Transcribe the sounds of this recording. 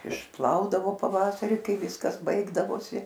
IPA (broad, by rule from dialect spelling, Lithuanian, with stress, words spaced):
ɪʃˈplˠɐʊdɐʋoː pɐˈʋɑːsɐrʲɪ ˈkɐɪ ˈʋʲɪskɐs ˈbɐɪɡdɐʋoːsʲɪ